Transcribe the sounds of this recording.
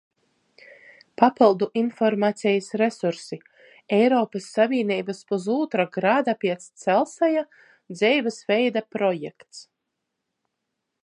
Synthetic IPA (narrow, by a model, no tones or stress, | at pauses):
papilˠd̪uʔinfɔɾmaːt̪sʲɛjasɾesuɾsi | ɛjɾɔːpasːavʲiːɛniːbaspuzuːt̪ɾaɡɾaːd̪apiɛt̪st̪sɛlˠsaja | d̪zʲɛjvasvɛjd̪apɾɔjɛkt̪s